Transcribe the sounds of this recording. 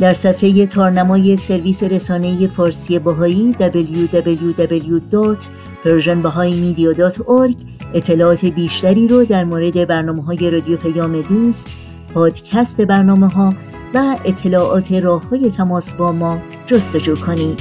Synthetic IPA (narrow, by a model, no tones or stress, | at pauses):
d̪̥æɾsæfe̞je̞t̪ʰɒːɾnæmɒːje̞se̞ɾviːse̞ɾesɒːne̞je̞fɒːɾsijebɦɒːiːd̪æbeljud̪æbeljud̪æbeljud̪ɔt̪ʰ | pʰeɾʒenbæɦɒːjmiːd̪ijɒːd̪ɒːt̪ʰoɾɡ | e̞t̪ʰːe̞lɒːɒːt̪ʰe̞biːʃt̪æɾiːɾɔd̪æɾmoːɾe̞d̪e̞bæɾnɒːmeɦɒːje̞ɾɒːd̪ijopʰæjɒːme̞d̪uːst̪ | pʰɒːd̪̥cʰæst̪e̞bæɾnɒːme̞ɦɒː | væet̪ʰːe̞lɒːʔɒːt̪ʰe̞ɾɒːhhɒːje̞t̪ʰæmɒːsbɒːmɒː | d͡ʒost̪o̞d͡ʒuːkʰoniːd̪̥